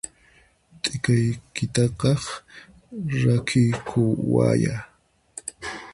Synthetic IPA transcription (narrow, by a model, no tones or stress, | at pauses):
t̪ʼɪkajkɪt̪ɑqɑχ | ɾakʰɪjkʰʊwa̰ja